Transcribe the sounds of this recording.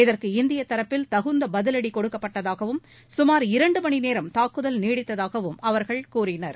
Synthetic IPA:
ɪðɐrkɯɪnd̪ɪjɐt̪ːɐɾɐpːɪlt̪ɐɣɯnd̪ɐbɐðɪlɐɽikɔɽɯkːɐpːɐʈːɐðaːɣɐʋɯm | sʊmaːɾɪɾɐɳɖɯmɐɳineːɾɐmt̪aːkːɯðɐlneːɽɪt̪ːɐðaːɣɐʋɯmɐʋɐɾɣɐɭkuːrɪnɐɾ

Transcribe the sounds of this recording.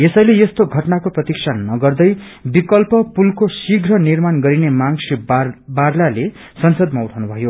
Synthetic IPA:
esʌjlejʌst̪oɡʱʌʈnakoprʌt̪iksʰanʌɡʌrd̪ʌj | bikʌlpʌpulkosiɡʱrʌnirmanɡʌɾinemaŋsibaɾlale | sʌnsʌd̪̚mauʈʰawnubʱʌjo

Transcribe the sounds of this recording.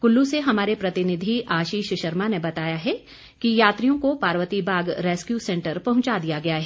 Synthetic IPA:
kʊlːuseɦɐmaːɾepɾɐt̪ɪnɪd̪ʱiʔaːʃiːʃʃɐɾmanebɐt̪aːjaɦɛ | kijaːt̪ɾijõkopaːɾʋət̪ibʱaːɡɾɛːskjuːsɛ̃ːɳʈəɾpɐɦʊ̃t͡ʃad̪ijaɡɐjaɦɛː

